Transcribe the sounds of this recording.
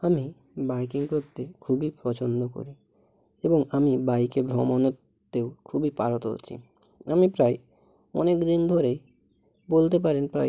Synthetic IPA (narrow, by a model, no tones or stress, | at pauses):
ami | bajkiŋkot̪ːekʰubipɾɔt͡ɕond̪oko̰ɾi | eboŋamibajkebʱɾɔmonot̪ː | ewkʰubipaɾot̪o̰t͡ɕʰḭ | amipɾaj | ɔ̰nekd̪ind̪ʱoɾe | bolt̪ep̬aɾenpɾa̰j